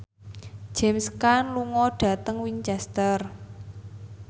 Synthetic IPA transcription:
d͡ʒ̥ɛmskanluŋɔɖ̥ä̤t̪əŋwiɲt͡ʃɛst̪ər

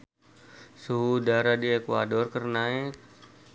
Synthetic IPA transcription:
suɦudaɾadiekua̰dɔrkərnaɛk̚

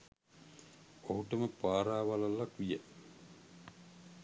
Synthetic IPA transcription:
oɦuʈəməpaːɾaːʋalalːakʋijə

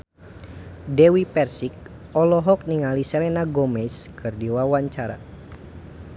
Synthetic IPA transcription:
dɛwipɛrsik̚ | ɔlɔɦɔk̚niŋalisɛlɛnaɡɔmɛskɨrdiwawaɲt͡ʃaɾa̰

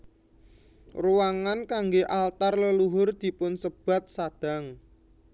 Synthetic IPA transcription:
ruwaŋankaŋɡeʔalt̪arləluɦʊrd̪̥i̤pʊnsəb̥a̤t̪̚sad̪̥a̤ŋ

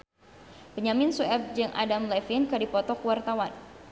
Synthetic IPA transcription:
pəɲamɪnsuɛp̚d͡ʒɨŋʔa̰damlɛfinkadipɔt̪ɔkəwart̪awan

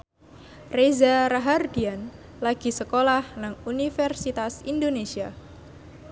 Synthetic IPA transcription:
rezaɾaɦardian | laɡ̥i̤səkolahnaŋunifɛrsit̪asindonesia

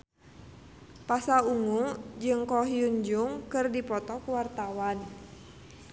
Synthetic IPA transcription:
pasauŋud͡ʒɨŋkɔɦijuɲd͡ʒuŋkɨrdipɔt̪ɔkuwart̪awan

